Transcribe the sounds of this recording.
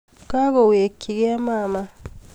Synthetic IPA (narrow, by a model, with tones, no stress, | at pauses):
ka˦ɣɔ˨we˨kʰːi˨ɡe˦a˦ma˦˨ma˦